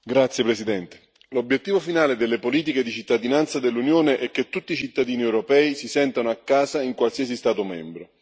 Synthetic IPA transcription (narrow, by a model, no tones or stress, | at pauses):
ɡɾat̪sjepɾesid̪ɛnt̪e̥ | lobjet̪ːiːvofinaːled̪elːepoliːt̪̬iked̪it͡ʃit̪ːad̪inant̪sad̪elːunjoːneʔɛk̟ːet̪ːut̪ːiːt͡ʃit̪ːad̪iːniɛwɾopɛːisisɛnt̪anoakːaːzaiŋkwalsiasist̪aːt̪omɛ̰mbɾo